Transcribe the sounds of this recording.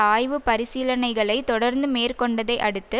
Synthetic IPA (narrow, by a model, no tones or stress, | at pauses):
aːjʋɯpɐɾɪsiːlɐnɐɪɣɐɭɐɪt̪ːɔɽɐɾnd̪ɯmeːrkɔɳɖɐðɐɪʔɐɽɯt̪ːɯ